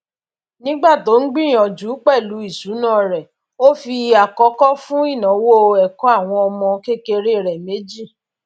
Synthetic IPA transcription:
nĩ˦ɡ͡ba˦˨to˨˦n̩˦ɡ͡bĩ˦˨ɔ̃˨d͡ʒu˨˦k͡pɛ˦˨lu˨˦i˦˨su˨˦nãː˦˨ɾɛ˨ | o˦fi˧a˨kɔ˨˦kɔ˦fũ˦i˦˨nã˨˦wo˦˨˧ɛ˨kɔ˨˦a˦˨w̃ɔ̃˧ɔ˧mɔ̃˧ke˦ke˧ɾe˦˨ɾɛ˨me˨˦d͡ʒi˦˨

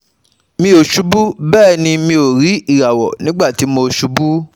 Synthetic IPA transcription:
mĩ˧o˨ʃu˨˦bu˦bɛː˦˨nĩ˧mĩ˧o˨ɾi˨˦i˦˨ɾa˨wɔ̰˨nĩ˨˦ɡ͡ba˦˨ti˨˦mo˧˨ʃu˧˦bu˦

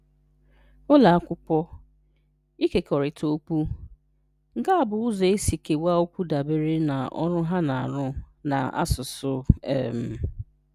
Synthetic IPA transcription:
ʊ˦la˨a˦kʷʊ˦pɔ˦ | i˦ke˨kɔ˨ɾɪ˨tʰo˦ku˦ | ŋ̩˨ka˦a˦˨bʊ˨ʊ˦zɔ˨e˦si˨ke˨wa˦o˦kʷu˦da˨be˦ɾe˦na̰˨ɔ̰˦ɾʊ˦ɦa˦na˨a̰˨ɾʊ˦ | na̰˨a̰˦sʊ˨sʊ˦ḛ˨m̩˦

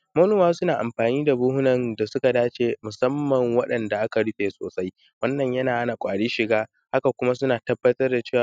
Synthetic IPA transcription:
mɐ˦nuː˦maː˦sʊ˦naː˨ʔa˨mɸaː˨niː˦da˨buː˦ɦʊ˦nɐ˨nda˨sʊ˦ka˨daː˦t͡ʃeː˨mʊ˨sɐ˦mːɐ˨ŋwɐ˦ɗɐ˨nda˨ʔa˦ka˨ɽʊ˦ɸeː˨so̰ː˨sa˦j | wɐ˦nːɐ˨ɲjɐ˦naː˨ha˦na˨kʷʼaː˨ɽiː˦ʃɪ˨ɡaː˦ | ha˦ka˨kʷʊ˦ma˦sʊ˦naː˨tɐ˦bːɐ˦tɐ˦rda˨t͡ʃeː˦˨w

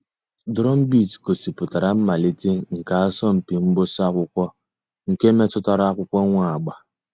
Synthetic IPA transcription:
dɾɔ˦m̩˦bi˦˨tko˨si˨pʊ˨ta˨ɾa˨˦m̩˦ma˨li˦ti˦ŋ̩˨ka˨a˦sɔ˦m̩˨pi˨m̩˦bʊ˦sa˦kʷʊ˦kʷɔ˦ | ŋ̩˨ke˦me˦tʊ˦ta˦ɾa˦kʷʊ˦kʷɔ˦ŋʷa˦a˨ɡ͡ba˨

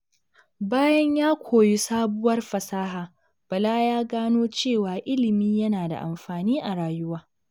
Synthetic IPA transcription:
baː˦jɐ˦ɲjaː˦kʷʰoː˨ji˦saː˦bʊ˦wɐ˦rɸɐ˨saː˦ɦaː˨ | b̥ɐ˨laː˦jaː˦ɡaː˦noː˦t͡ʃeː˦˨waː˨ʔɪ˦lɪ˨miː˦jɐ˦naː˨da̰˨ʔa̰˨mɸaː˨niː˦ʔa˨ɽaː˨jʊ˦waː˦

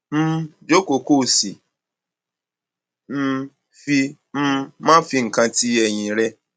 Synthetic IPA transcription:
m̩˦d͡ʒo˦ko˨ko˦˨si˨ | m̩˦ | fi˧ | m̩˦mã˦fi˧ŋ̩˨kã˧ti˦jɛ˨ɲĩ˨ɾɛ˦

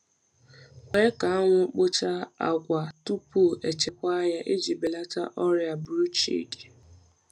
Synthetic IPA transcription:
kʷe˦ka˨a˦ŋʷʊ˦k͡po˦t͡ʃa˦a̰˨ɡʷa˨tu˦pu˦˨ʔe˨t͡ʃe˨kʷa˦ja˦ʔe˦d͡ʒi˨be˨la˦ta̰˦ʔɔ˦ɾja˨bɾu˦t͡ʃḭ˦di˨

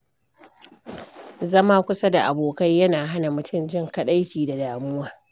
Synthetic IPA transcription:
zɐ˦maː˦kʷʊ˦sa˦da˨ʔa˨boː˨kɐ˦jːɐ˦naː˨ɦa˦na˨mʊ˨tʰʊ˦˨md͡ʒɪ˦˨ŋkɐ˦ɗa˦jɸʲiː˨da˨daː˨mʊ˦waː˦

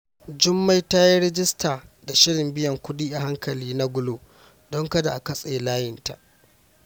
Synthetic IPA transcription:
d͡ʒʊ˦mːa˦jta˦ja˦ɾɛ˦d͡ʒɪ˦staː˨da˨ʃɪ˦ɽɪ˨mbɪ˦jɐ˨ŋkʷʊ˦diː˦ʔa˨ha˦ŋkɐ˨liː˦na˦ɡʷʊ˦loː˨ | dɔ˦ŋkɐ˦da˨ʔa˨kɐ˦sʼeː˨laː˦jɪ˨nta̰˨ʔ

